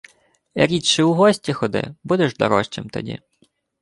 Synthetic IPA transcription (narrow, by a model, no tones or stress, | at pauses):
ɐ̰ɾʲitt͡ʃɪuɦɔsʲtʲixɔd̪ɪ̰bud̪ɛʒd̪ɔ̰ɾɔʃt͡ʃemt̪ɐ̰dʲḭ